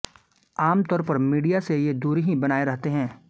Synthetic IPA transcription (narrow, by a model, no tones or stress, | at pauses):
aːmt̪ɔːɾpɐɾmiːɖijasejed̪uːɾɦĩbɐnaːeɾɐɦt̪eɦɛ̃ː